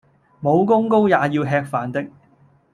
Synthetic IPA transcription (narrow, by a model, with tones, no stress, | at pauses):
mo˨˧wkʊ˥ŋko˥wjaː˨jiː˧wɦɛː˧k̚faː˨˩nt̪ɪ˥k̚